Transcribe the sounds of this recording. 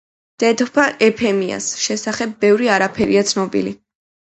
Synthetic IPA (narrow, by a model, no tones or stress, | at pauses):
d̪̥ɛt̪pʰaʔɛpʰɛmia̰sʃɛsaχɛbːɛvɾiaɾapʰɛɾḭat̪sʰnɔbḭli